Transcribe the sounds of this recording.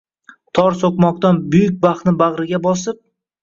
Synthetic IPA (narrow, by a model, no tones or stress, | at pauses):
t̪ʰɒɾsokmɒqt̪anbʊjʊk̚ʲbaχnɪbaʁɾɪɡʲabɒsɪp̚